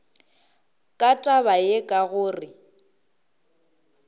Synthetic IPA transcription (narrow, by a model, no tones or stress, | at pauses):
kʼatʼaβajekʼaɣʊːrɪ